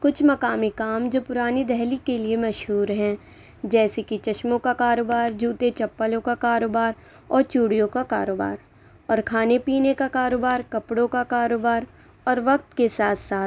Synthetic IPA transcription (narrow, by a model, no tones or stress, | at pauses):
kʊt͡ʃʰmɐkaːmikaːmd͡ʒoːpʊɾaːnid̪ɛɦlikeliemɐʃɦuːɾɦɛ̃ | d͡ʒɛːsekit͡ʃɐʃmõkakaːɾoːbaːɾd͡ʒuːt̪et͡ʃɐpːəlõkakaːɾoːbaːɾ | ɔːɾt͡ʃuːɽijõkaka̰ːɾoːba̰ːɾ | ɔːɾkʰaːnepiːnekakaːɾoːbaːɾkɐpɽõkakaːɾoːbaːɾ | ɔːɾʋɐk̚t̪kesaːt̪ʰsaːt̪